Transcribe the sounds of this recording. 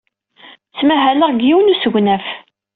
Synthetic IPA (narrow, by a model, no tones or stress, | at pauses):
t͡sːmæɦælæʁɡjiwnusəʝʷnæf